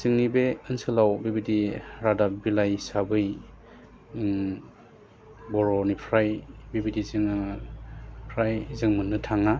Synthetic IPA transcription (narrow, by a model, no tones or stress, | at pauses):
zɯŋnibeɯnsɯlawbibidiɾadabilajsabɯj | bɔɾɔnipʰɾajbibidizɯŋa | pʰɾajzɯŋmɯnːɯtʰaŋa